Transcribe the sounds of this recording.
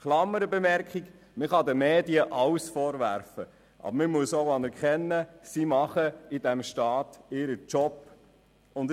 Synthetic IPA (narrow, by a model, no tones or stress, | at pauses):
χlɑməɾəbemɛɾkχiɡ | mɪχɑdəmeːdiəʔɑwsfɔːɾʋæ̰ɾfə | ʔɑ̰bɾmɪmuəsoʊɑnɛɾkχɛnːəsimɑχəɪd̥æmʃtɑːtɪɾət͡ʃɔp | ʊnd